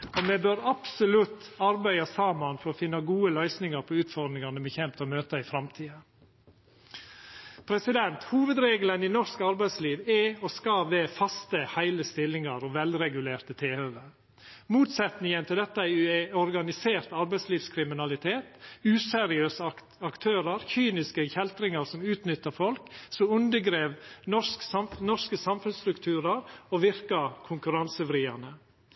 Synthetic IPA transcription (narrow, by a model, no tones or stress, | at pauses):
ɔmɛbøːɾɑpsʊlʉt̪ːɑɾbæɪɑsɑmːɑnfɔɾɔfɪnːɑɡuːəlœʏsnɪŋəɾpʰɔʉːt̪fɔɾd̪ɾɪŋɑnəbɛçɛmpt̪ɔmøːt̪əɪfɾɑmt̪ʰiːə | pʰɾɛsɪd̪ɛnt̪huːʋəd̪ɾeːɡləninɔskɑɾbæɪd̪sliːʋɛɔskɑʋɛfɑst̪əhæɪləst̪ɪlːɪŋɑɾɔʋɛlɾɛɡʉleːɾt̪ət̪ʰeːhøːʋə | muːt̪sɛt̪nɪŋənt̪ʰɪld̪ɛt̪ːəæɪɔɾɡɑnɪseːɾt̪ɑɾbæɪsliːʋskʰɾɪmɪnɑlɪt̪ʰeːt̪ʉːsɛɾɪøːs | ɑkt̪ʰøːɾəɾçyːnɪskəçɛlt̪ɾɪŋəɾsɔmʉːt̪nʏt̪ːəfɔlksɔʉnd̪əɡɾeːʋnɔʂksɑmnɔʂkəsɑmfʉnst̪ɾʉkt̪ʰʉːɾəɾoʋɪɾkɑkʰʊŋkʉɾɑnsəfɾiːɑnə